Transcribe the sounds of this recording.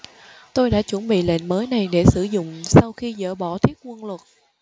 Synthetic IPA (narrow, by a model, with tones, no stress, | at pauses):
t̪o˧jɗa̰ː˧˥t͡ɕwə˧˩nɓḭ˧˨lḛ˧˨nməː˨˦jna˨˩jɗe˧˩sɨ˧˩zʊ̰˧˨ŋ͡msa˧wxi˧zə̰ː˧˩ɓɔ˧˩t̪ʰi˦˥ət̚kwə˧nlwə˨˩t̚